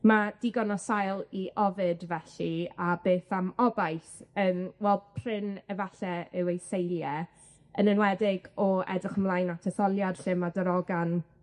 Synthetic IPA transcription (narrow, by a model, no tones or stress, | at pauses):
mad̥iɡɔnɔsajlˠiʔɔvɨdvɛɬiabeːθamɔbajθəːmwɛlˠd̚pʰrɪnəvaɬɛɪwejsejljɛ | ənənwɛdɪɡɔɛ̰drɪχəmlˠajnatʰɛθɔlˠjarɬɪmadəɾɔɡan